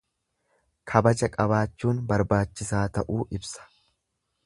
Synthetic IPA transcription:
kʰɐbɐd͡ʒɐkʼɐβaːt͡ʃːuːnbɐɾbaːt͡ʃːɪsaːt̪ɐʔuːʔɪbsɐ̥

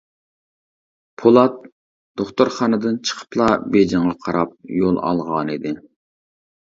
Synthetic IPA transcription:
pʰolˠɑt̪̚ | d̪̥oχt̪ʊɾχɑnɨd̪ɨnt͡ʃʰə̥qʰə̥plˠɑbed͡ʒɑɴʁɑqʰɑɾɑp̚jolˠɑ̰lˠʁɑnid̪ɪ

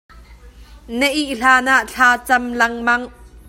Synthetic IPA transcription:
nɛʔiʔɬaːnaʔɬʰaːt͡sɐmlɐŋmɐŋ

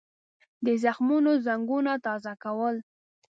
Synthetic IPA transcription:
d̪əzaxmunozaŋɡunat̪ɑzakawəl

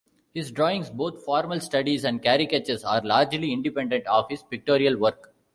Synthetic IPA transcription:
hɪsɖɾɔːɪ̃ŋsboːt̪ʰfɔːɾməlsʈɐɖizɛ̃ɳɖ̚kæːɾɪket͡ʃesaːɾlaːɾd͡ʒliɪ̃ɳɖɪpɛ̃ɳɖɛ̃ɳʈɔːʋhɪzpɪk̚ʈoːɾiɐlʋəɾk

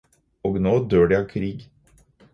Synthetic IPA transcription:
oːɡnoːd̪øːɖjɑkʰɾiːɡ

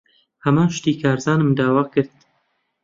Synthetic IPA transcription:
hɐmaːnʃt̪iːkʰaːɾzɑːnɨmd̪aːwaːkɨɾd̪̚

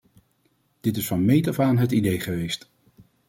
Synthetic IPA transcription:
d̥ɪtɪsfɑnmejtɔfaːnɦətidejχəʋejst

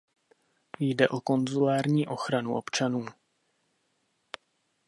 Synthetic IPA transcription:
jdɛʔo̞ko̞nzulaːɾɲiːʔo̞xɾanuʔo̞pt͡ʃanuː

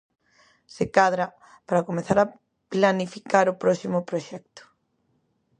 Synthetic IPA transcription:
sekaðɾa | paɾakomeθaɾa | planifikaɾʊpɾɔsimʊpɾoʃɛk̚t̪ʊ̥

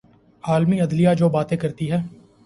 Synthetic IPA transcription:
aːlmiɐd̪lijad͡ʒoːbaːt̪ẽkɐɾt̪iɦɛː

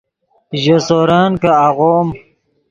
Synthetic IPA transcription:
ʑosoɾaːnkaaɣom

